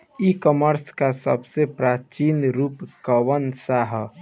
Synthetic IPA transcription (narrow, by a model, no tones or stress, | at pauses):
ikɔməɾskasə̰bsepɾaːt͡ʃinɾuːpkəʋənsaɦ